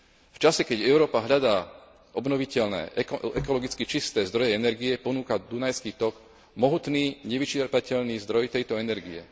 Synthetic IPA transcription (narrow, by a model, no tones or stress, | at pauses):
ft͡ʃasɛkɛɟɛʊɾɔːpaɦʎad̪aː | ʔɔbnɔʋicɛʎnɛ̰ːʔɛkɔlɔɡit͡skit͡ʃist̪ɛːzd̪ɾɔjɛɛnɛɾɡiɛpɔnuːkad̪unajskiːt̪ɔɡ | mɔɦut̪niːɲɛʋit͡ʃɛɾpacɛʎniːzd̪ɾɔjt̪ɛjt̪ɔɛnɛɾɡḭɛ̰